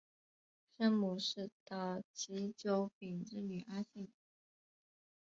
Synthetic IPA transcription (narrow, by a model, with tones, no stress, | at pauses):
ʂə˥nmu˨˩ʂɻ̩˥˧t̪ɑ˥˩ʊt͡ɕʰi˧˥t͡ɕjo˧˥ʊpi˨˩nʈ͡ʂɻ̩˥˧ny˨˩ʔa˥ɕi˥˩ŋ